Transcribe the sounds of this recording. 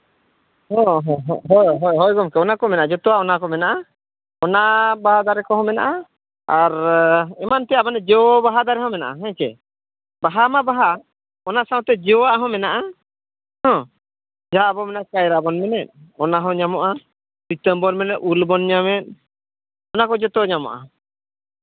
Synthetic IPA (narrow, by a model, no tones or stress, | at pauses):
hɔ̃ɦɔ̃ɦɦɔjɦɔjɦɔjɡɔmkɛɔnakɔmɛnaʔad͡ʒɔt̪ɔwaɔnakɔmɛnaʔa | ɔnabaɦad̪aɾɛkɔɦɔ̃mɛna̰ʔa | aɾɛmant̪ɛabanɛd͡ʒɛbaɦad̪aɾɛɦɔ̃mɛna̰ʔa̰ɦɛ̃kɛ̰ | baɦamabaɦa | ɔnasãw̃t̪ɛd͡ʒɛɔwaʔaɦɔ̃mɛnaʔa | hɔ̃ | d͡ʒabɔmɛnakajɾabɔnmɛnɛt̪̚ˀɔnaɦɔ̃ɲamɔʔa | sit̪əmbɔɾmɛnɛʔ̪ulbɔnɲamɛt̪̚ | ɔnakɔd͡ʒɔt̪ɔaɲamɔ̰ʔa̰